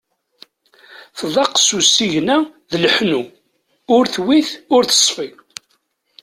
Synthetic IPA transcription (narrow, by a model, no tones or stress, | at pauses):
θðˤɑqːsusiʝnæðəlħnu | ʊɾθwiθʊɾθə̥sˤfi